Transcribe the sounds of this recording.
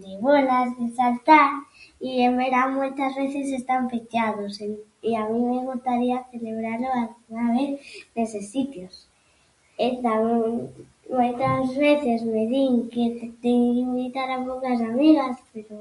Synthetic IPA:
d̪eβolazðesalt̪aɾiembeɾamojt̪azβeθesest̪ampet͡ʃaðose | iamĩmeɣ̞ust̪aɾiaθeleβ̞ɾaɾloalɣunaβeθðesesit̪jos | et̪ameŋ | mojt̪azβeθezmeðiŋket̪et̪eŋkimbit̪aɾapokas̬amiɣaspeɾo

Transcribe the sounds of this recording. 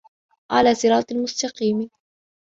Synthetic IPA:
ʔa̰laːsɪɾɑːt̪ˤɪlmʊst̪ɑqiːm

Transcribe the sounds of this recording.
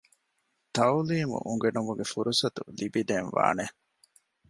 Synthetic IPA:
t̪ɐuliːmṵʔuŋɡenumuɡefuɾusɐt̪ulibid̪eːnʋa̰ːne

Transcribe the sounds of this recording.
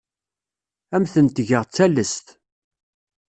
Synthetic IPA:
æmθənt̪ʝəʁt͡sːælːəst̪

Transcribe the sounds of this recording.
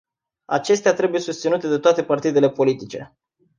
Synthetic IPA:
a̰t͡ʃe̞st̪eat̪ɾe̞buje̞sust̪sinut̪e̞d̪e̞t̪oat̪e̞part̪id̪e̞le̞po̞lit̪it͡ʃe̞̰

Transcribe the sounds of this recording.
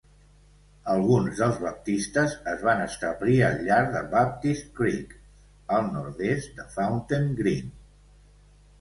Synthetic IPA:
əlˠɣunzðəlˠzβəp̚t̪ist̪əzəzβanəst̪əβliəlʎːaɾðəβap̚t̪ist̪kɾik | əlˠnuɾðest̪d̪əfawnt̪eŋɡɾin

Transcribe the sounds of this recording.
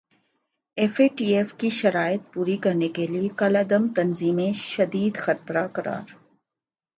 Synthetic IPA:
eːfeːʈiːeːfkiʃɐɾaːɪt̪̚puːɾikɐɾnekeliekɐlɐd̪əmt̪ɐnziːmẽʃɐd̪iːd̪xɐt̪ɾakɐɾa̰ːɾ

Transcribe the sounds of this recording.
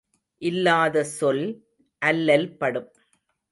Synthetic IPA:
ʔɪlːaːðɐsɔl | ʔɐlːɐlpɐɽɯm

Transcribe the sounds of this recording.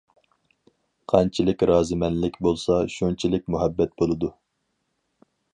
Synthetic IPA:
qʰɑnt͡ʃʰilɪkʲɾɑːzɨmɛnlɪkʲbolˠsɑʃunt͡ʃʰilɪk̚ʲmuɦɛbːɛt̪̚bolˠɨd̪u

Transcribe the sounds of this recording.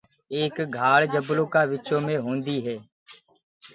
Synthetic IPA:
eːkɡʱaːɽd͡ʒəbloːkaːʋɪt͡ʃoːmẽːɦõːnd̪iːɦɛː

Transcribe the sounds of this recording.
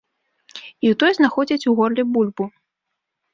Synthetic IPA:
iwt̪ɔjɛznaxɔd͡zʲit͡sʲuɣɔrlʲibulʲbu

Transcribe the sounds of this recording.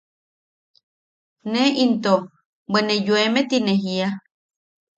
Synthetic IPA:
neint̪o | benejoemet̪ineɦia

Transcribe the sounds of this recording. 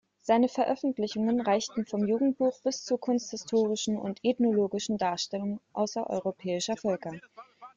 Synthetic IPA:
z̥aɪnəfɛɐʔœfn̩tlɪçʊŋənʁaɪçtn̩fɔmjuːɡŋ̩t̚b̥uːχb̥ɪst͡suːɐkʰʊnsthɪstʰoːʁɪʃn̩ʊ̰ntɛtnoloːɡɪʃn̩daːɐʃtɛlʊŋʔa̰ʊsɐʔɔ̰ʏʁopʰɛːɪʃɐfœlkɐ

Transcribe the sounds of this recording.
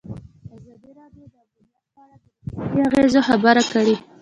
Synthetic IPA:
azɑd̪iɾɑdjod̪auna | ɑɾad̪əliaɣezoxabaɾakaɽi

